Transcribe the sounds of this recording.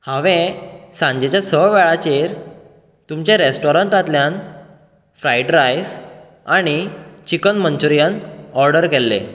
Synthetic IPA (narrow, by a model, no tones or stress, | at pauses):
hãʋẽsãɲd͡ʑet͡ɕjasəʋɛɭat͡ɕeɾ | t̪umt͡ɕaɾesʈɔɾəɳʈat̪ljan | fɾajɖɾajs | aɽ̃it͡ɕikənmənt͡ɕuɾijənɔɾɖəɾkɛlːḛ